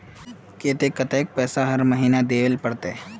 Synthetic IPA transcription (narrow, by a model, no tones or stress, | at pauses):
keːt̪ekɐt̪eːk̚pɛːsaɦɐɾməɦiːnad̪eːʋəlpɐɽt̪e